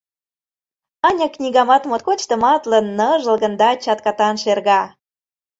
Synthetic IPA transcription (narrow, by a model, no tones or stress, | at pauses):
ɑnʲɤknʲiɣɑmɑt̪mot̪̚kot͡ɕt̪ə̆mɑt̪lə̆nːɤʒə̆lɣə̆nd̪ɑt͡ɕɑt̪̚kɑt̪ɑnʃerɣɑ